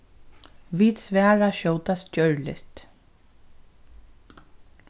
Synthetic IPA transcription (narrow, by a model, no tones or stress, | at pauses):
viːt̪sʋɛːɹaʃɔwt̪ascœɹlɪ̰ht̪